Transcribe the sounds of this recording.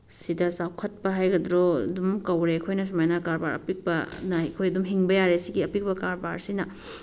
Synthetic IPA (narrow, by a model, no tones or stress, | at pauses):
sidɐsawkʰɐt̚pɐɦajɡɐdɾo̰dumkɐwɾeɐkʰojnɐs̬umajnɐkaɾbaɾɐ̰pik̚bɐnɐɐkʰojɐdumɦiŋbɐjaɾesiɡiɐpik̚pɐkaɾba̰ɾsinɐ